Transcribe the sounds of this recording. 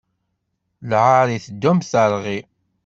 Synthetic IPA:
lʁaɾiθd̪ːæmθəɾˤʁi

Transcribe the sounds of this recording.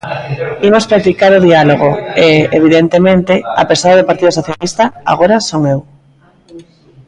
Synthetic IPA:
imospɾat̪ikaɾoðialoɣoeeβ̞iðent̪emẽnt̪ea̰pesaðaðopaɾt̪iðosoθjalist̪aa̰ɣoɾasoŋew

